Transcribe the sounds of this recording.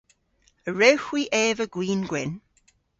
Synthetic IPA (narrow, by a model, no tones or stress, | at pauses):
əɹɛwxwiːʔɛːvəɡ̥wiːnɡwɪn